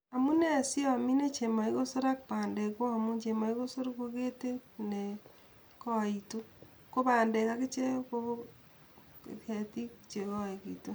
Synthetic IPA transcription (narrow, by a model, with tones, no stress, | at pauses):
a˨mu˦ne˦˨si˦ɔ˨mi˦ne˦t͡ʃe˨ma˨i˦ko˦so˦ɾa˦k̚pa˨nde˨kwɔ˦a˨mu˦ɲt͡ʃe˨ma˨i˦ko˦so˦ɾko˧ke˦te˦ne˨ | kɔ˦˨i˨to˦ | ko˦paː˨nde˨ka˦ke˦t͡ʃe˦ko˦ | ɛ˨ti˦kt͡ʃe˨kɔ˦e˨ki˨to˦